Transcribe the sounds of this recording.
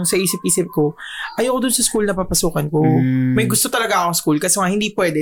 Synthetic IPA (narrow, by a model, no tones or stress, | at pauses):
ŋsɐʔiːsɪp̚ʔiːsɪp̚ko̞ʔɐjoːkod̪ʊnsɐskulnɐpapɐsuːkɐnkomɐjɡʊst̪ot̪ɐlɐɡaʔɐkoŋskulkɐsɛŋahɪnd̪iːpwɛːd̪ɛ